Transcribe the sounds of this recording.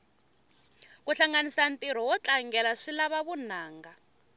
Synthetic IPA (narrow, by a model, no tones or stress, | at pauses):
kuɬaŋɡanisantiɾ̤ɔwɔt͡ɬʼaŋɡɛlaʂilaβaβunaːŋɡa